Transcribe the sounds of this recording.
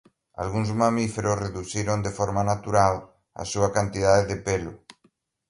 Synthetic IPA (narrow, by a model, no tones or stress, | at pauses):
a̰lɣuŋzmamifeɾosreðuθiɾond̪efɔɾmanat̪uɾal | a̰suɐkant̪iðaðeðepelʊ̰